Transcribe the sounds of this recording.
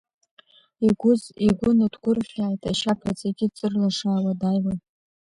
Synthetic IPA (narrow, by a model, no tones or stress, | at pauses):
iɡʷʊziɡʷʊnadɡʷʊrχʲaːjtʼaʃapʰat͡sʼaɡʲɪt͡sʼɨrlaʂaːwadajwan